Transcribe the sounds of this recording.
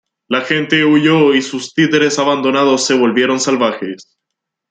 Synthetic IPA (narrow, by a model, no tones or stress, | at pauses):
laxe̞nt̪e̞uʝoisust̪it̪e̞ɾe̞saβand̪onaðo̞sːe̞βo̞lβje̞ɾo̞nsalβaxes